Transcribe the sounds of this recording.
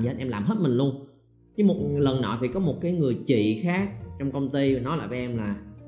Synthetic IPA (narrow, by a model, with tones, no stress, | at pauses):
i˨˩˧nʔɛ˧mlaː˨˩mɦə˦˥t̚mï˨˩ŋ̟lu˧ən | t͡ɕɨ˨˦mo˨˩t̚lə˨˩nːɔ̰˧˨t̪ʰi˨˩kɔ˨˦mo˨˩t̚kaː˨˦jŋɨ˨˩əjt͡ɕḭ˧˨xaː˦˥k̚t͡ɕɔ˧wŋ͡mkə˧wŋ͡mt̪i˧˨˩nɔ˨˦jla̰ː˧˨jvɛ˧ʔɛ˧mlaː˨˩